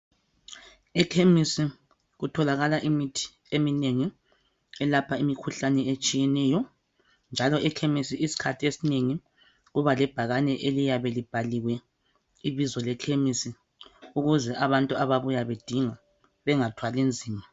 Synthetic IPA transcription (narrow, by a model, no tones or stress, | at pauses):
ɛkʰemisi | ɣutʰɔlaɣalaʔimitʰi̥ | emineŋi | ɛlapʰaimikʰuɬanɛet͡ʃʼijɛnɛːjɔ | nd͡ʒʱalɔʔɛkʰemisiʔisi̥kʰatʰiesineŋi | ɣuβalɛb̥ʱaɣanɛʔelijaβɛlib̥ʱaliɣwɛ | iβizɔlɛkʰemisi | uɣuzɛʔaβantʼuaβaβujaβed̥ʱiŋa | βɛŋatʰwalind͡zʱiːma